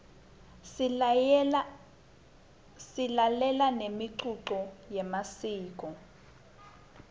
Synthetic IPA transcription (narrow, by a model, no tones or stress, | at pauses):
silalɛlanemiǀuǁɔjɛmasiːk̬ʼɔ